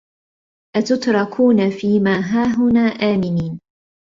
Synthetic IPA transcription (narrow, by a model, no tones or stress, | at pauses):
ʔat̪ʊt̪ɾˤɑkʰuːnafiːmaːɦaːɦʊnaːʔaːmɪniːn